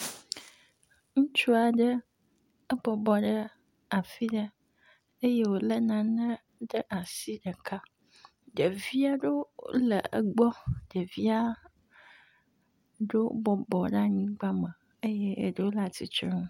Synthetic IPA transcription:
ŋũ˦t͡ʃu˦a˨ɖə˦ | ə˦bɔ˨bɔ˨ɖə˦ | a˨fi˦ɖə˦ | e˦je˦wo˨lə˦nã˨nə̃˦ | ɖə˦ʔa˨si˦ɖə˨kʰa˦ | ɖə˨vi˦a˦ɖo̰˦lə˨ə˨ɡ͡bɔ˦ɖə˨vi˦a˦ | ɖo˦bɔ˨bɔ˨ɖa˦ɲĩ˦ɡ͡ba˦mə̃˨ | e˦jɛ˦˨ɖə˦wo˦la˨t̪i˨t͡ʃɔ˦

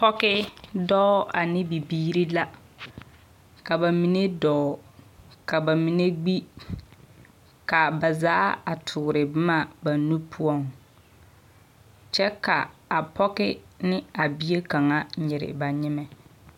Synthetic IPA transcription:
pɔ˦kɪ˦dɔ˦a˨nɪ˦bi˨biː˦ɾi˦la˦ | ka˨ba˨mi˨ne˦dɔː˨˦˨ka˨ba˨mi˨ne˦ɡ͡bi˦ | ka˨ba˨zaː˦a˨tʰʊː˨ɾɪ˨bɪ˦ma˦˨ba˨nu˦pʰʊ˦ɔ˦ŋ | t͡ʃɛ˦ka˨a˨pʰɔ˦kɪ˦nɪ˦a˨bi˦e˦ka˨ŋa˦ɲɪ˨ɾɪ̰˨ba˨ɲɪ˦mɛ˦

